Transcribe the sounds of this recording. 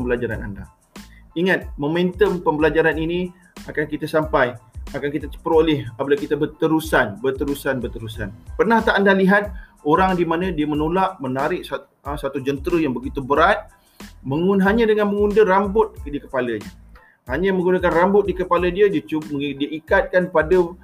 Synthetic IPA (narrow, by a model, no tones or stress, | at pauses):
əmbəlad͡ʒaɾana̰nda̰ | iŋat̪̚mõmẽnt̪əmpəmbəlad͡ʒaɾanini | akankit̪asampajakankit̪at͡ʃə̥pəɾolɪhabəlahkit̪abət̪əɾusanbət̪əɾusanbərt̪əɾusa̰npərnaht̪aːndaliɦat̪̚oɾaŋdimanə̃diəmənolaʔmənaɾɪk̚sa | əsat̪ud͡ʒənt̪ɾəjaŋbəɡit̪ubəɾat̪̚ | məŋunɦaɲə̃dəŋanmə̃ŋundəɾambʊt̪̚dikəpaləɲə | haɲəmə̃ŋɡundakanrambʊt̪̚dikəpalədiədət͡ʃudiəikat̪̚kanpadə